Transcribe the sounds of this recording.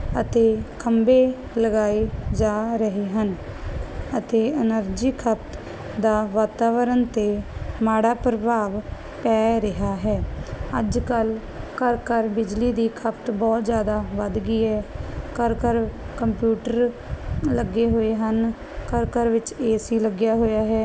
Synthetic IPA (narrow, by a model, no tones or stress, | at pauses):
ət̪eːkʰəmbeː | ləɡaːed͡ʒaːɾəɦeːɦən | ət̪eːənəɾd͡ʒiːkʰəpt̪ | d̪aːʋaːt̪aːʋəɾənt̪eːmaːɽaːpɾəbʱaːʋ | pɛːɾɪɦaːɦɛːəd͡ʒkəl | kəɾkəɾbɪd͡ʒliːd̪iːkʰəpt̪bɔːt̪zjaːd̪aːʋəd̪ɡiːɦɛːkəɾkəɾkəmpjuːʈəɾ | ləɡeːɦoːeːɦən | kəɾkəɾʋɪt͡ʃeːsiːləɡjaːɦoːjaːɦɛː